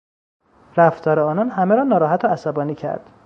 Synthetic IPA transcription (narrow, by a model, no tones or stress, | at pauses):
ɾæft̪ʰɒːɾeɒːnɒːnɦæmeɾɒːnɒːɾɒːɦæt̪ʰoæsæbɒːniːcʰæ̰ɾd̪̥